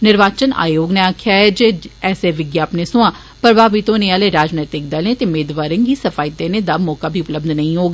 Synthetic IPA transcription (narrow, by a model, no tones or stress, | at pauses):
nɪɾʋaːt͡ʃəna̰ːjoːɡnẽaːkʰjaːɦɛːd͡ʒeːɛːseːʋɪɡjaːpneːsʊãː | pəɾʋaːʋit̪õːnẽaːleːɾaːd͡ʒnɛːt̪ɪk̚d̪alẽːt̪eːmeːd̪ʋaːɾɪŋɡiːsəfʰaːɪt̪eːnẽːd̪aːmɔːkaːbʱiːʊpləbd̪nəĩːɦoːɡa